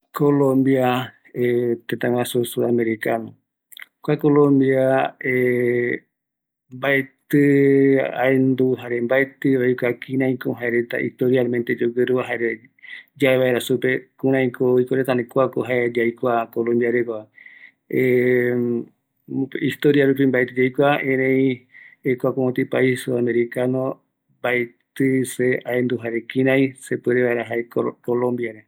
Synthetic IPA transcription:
kolõmbia | et̪et̪ãwʷãsusuameɾikanõ | kʷakolõmbjae | mbaet̪ɨ | aend̪uɦaɾembaet̪ɨojkʷakʰĩɾãĩkoɦaeɾet̪a̰ʔḭst̪oɾialmẽnt̪e̞d͡ʒoɡeɾuaɦaeɾe | d͡ʒaeβaeɾasupe̞kũɾ̃ãĩkooikoɾet̪anẽkʷakoɦaed͡ʒajkʷakolõmbiaɾekoa | e | ist̪oɾiaɾup̬ĩmbaet̪ɨd͡ʒajkʷaẽɾẽjekʷakoõt̪ipaisoamẽɾikanõ | baet̪ɨseaend̪uɦaɾekĩɾãj̃sepɨɾeβaeɾaɦaekolõmbjaɾe

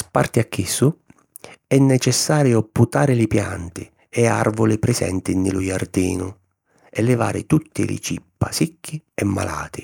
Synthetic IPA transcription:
spa̰rt̪ɪakʰːisːʊ | ɛnːɛt͡ʃɛsːaːɾjʊpːut̪aːɾɪlɪpja̰nt̪ɪ | ɛa̰rvʊlɪpɾɪsɛ̰nt̪ɪnːɪlujard̪ḭːnʊ | ɛlːɪva̰ːɾɪ̰t̪ut̪ːɪ̰lɪ̰t͡ʃipːasikʰːɪɛmːa̰la̰ːt̪ɪ

